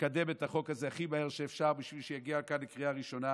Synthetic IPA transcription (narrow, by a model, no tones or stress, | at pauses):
kade̞metaχo̞kazeaχimaeʁʃeefʃaʁbiʃvilʃejaɡiaːlkanlekʁiaʁiʃo̞na